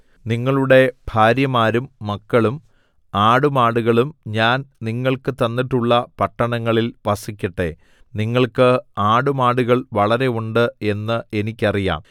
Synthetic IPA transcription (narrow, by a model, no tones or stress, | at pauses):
niŋːɐɭuɽe̞b̥ʱaːɾjɐmaːɾumːɐkːɐɭum | aːɽumaːɽuɣɐɭumɲaːnniŋːɐɭkɨt̪ɐnːiʈːuɭːɐpɐʈːɐɳɐŋːɐɭilʋɐsikʲːɐʈːe̞̰ | niŋːɐɭkɨaːɽumaːɽuɣɐɭʋɐɭɐɾe̞uɳɖɨe̞nːɨe̞nikʲːɐrija̰ːm